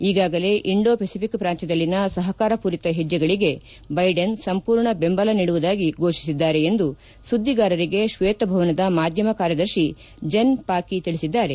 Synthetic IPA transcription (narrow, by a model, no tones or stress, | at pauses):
iːɡaːɡɐle̞ʔiɳɖo̞ːpʰesipikpɾaːnt̪id̪ɐlːinɐsɐɦɐkaːɾɐpuɾit̪ɐɦid͡ʒːjɐɡɐɭiɡe̞ | bɐjɖensɐmpuːɾɳɐbe̞mbɐlɐniɽuʋud̪aːɡiɡo̞ːʃisid̪ːaːɾe̞end̪u | sud̪ʱːiɡaːɾɐɾiɡe̞ʃʋeːt̪ɐbʱɐʋɐnɐd̪ɐmaːd̪ʱjɐmɐkaːɾjɐd̪ɐɾʃi | d͡ʒɐnpaːkit̪iɭisid̪ːaːɾe̞